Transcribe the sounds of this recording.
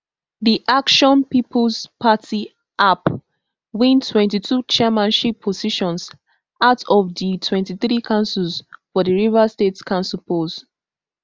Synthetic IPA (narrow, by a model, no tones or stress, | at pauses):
diʔakʃɔ̃npipʰɔlspatʰi | ʔap | wĩntʰwɛ̃ntitʰut͡ʃɛmãnʃipʰːɔziʃɔ̃ns | aʊtʰɔvditʰwɛ̃ntiθɹikʰãʊ̃nsuzfɔdiɹivastetkʰãnsupoz